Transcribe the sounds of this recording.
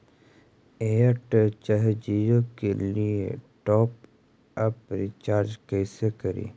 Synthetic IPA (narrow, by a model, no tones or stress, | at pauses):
eəʈt͡ʃəɦd͡ʒijõkelieʈɔːp | ɐpɾɪt͡ʃaːɾd͡ʒkɛːsekɐɾḭː